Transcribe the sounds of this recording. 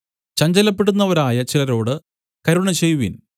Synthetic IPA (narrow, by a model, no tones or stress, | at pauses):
t͡ɕɐɲd͡ʑɐlɐpːe̞ɽunːɐʋɐɾaːjɐt͡ɕilɐɾo̞ːɽɨ | kɐɾuɳɐt͡ɕejuʋḭn